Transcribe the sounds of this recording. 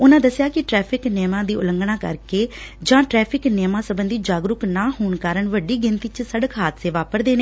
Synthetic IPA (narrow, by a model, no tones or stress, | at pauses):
ʊnãːd̪əsjaːkɪʈɾɛːpʰɪknɪːmãːd̪iːʊləŋɡɳãːkə̰ɾkeːd͡ʒãːʈɾɛːpʰɪknɪmãːsəbənd̪iːd͡ʒaːɡɾʊknaːɦoːɳkaːɾəɳʋəɖiːɡɪnt̪iːt͡ʃsəɽəkɦaːt̪ʰseːʋaːpəɾd̪eːneː